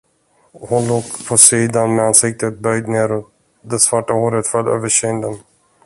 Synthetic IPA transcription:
hʊnloːkpʰɔsiːd̪anmɛansɪk̚t̪ət̪̚bœʏd̪neːɾɔt̪ | d̪ɛsvaʈːahoːɾət̪fœlø̰ːvəʂiənd̪ən

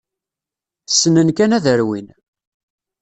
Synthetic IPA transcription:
sːənənkænæðəɾwin

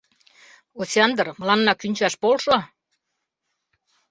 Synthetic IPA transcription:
osʲeɑnd̪ərməlɑnːɑkynʲt͡ɕɑʃpolʃo

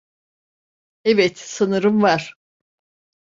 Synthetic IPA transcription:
evɛt̪sɯnɯɾɯmvaɾ̥

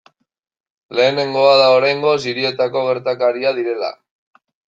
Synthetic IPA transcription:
le̞ːne̞ŋɡo̞aðaoɾajŋɡo̞siɾie̞t̪ako̞ɣ̞e̞ɾt̪akaɾiaðiɾe̞la̰

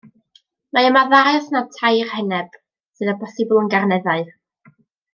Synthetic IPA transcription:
maəmaðaɛsnatʰajrhɛnɛb̥ | sɨðəbɔsɨbʊlˠənɡarnɛðaɨð

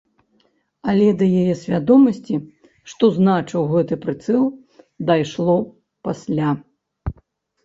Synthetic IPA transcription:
ɐlʲɛd̪ɐjajɛsʲvʲad̪ɔmɐsʲt͡sʲi | ʂt̪ɔznat͡ʂɨwɣɛt̪ɨpɾɨt̪sɛlˠ | d̪ajʂlˠɔ | pasʲlʲa

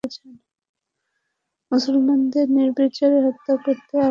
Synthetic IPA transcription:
et͡ɕʰen | musulmand̪eɾniɾbit͡ɕoɾeɦɔt̪ːakoɾt̪ea

